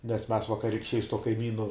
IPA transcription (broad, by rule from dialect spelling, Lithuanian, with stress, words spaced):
nʲɛs mʲɛs ʋɐkɐrʲɪkʃʲˈt͡ʃʲɛɪ sʊ tuɔ kɐɪˈmʲiːnʊ